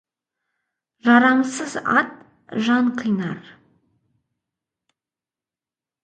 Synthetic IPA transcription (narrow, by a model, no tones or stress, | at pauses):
ʒɑɾamsəza̰t̪ | ʒanqʰijnar